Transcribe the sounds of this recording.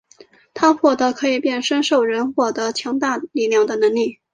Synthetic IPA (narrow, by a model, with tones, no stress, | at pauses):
t̪ʰa˥xwɔ˥˩t̪ɤ˧˥kʰɤ˧˥i˨˩pjɛ˥˩nʂə˥nʂo˥˩ʊɻə˧˥nxwɔ˥˩t̪ɤ˧˥t͡ɕʰjɑ˧˥ŋt̪a˥˧li˥˩ljɑ˥˩ŋd̪ə˩nɤ˧˥ŋli˥˩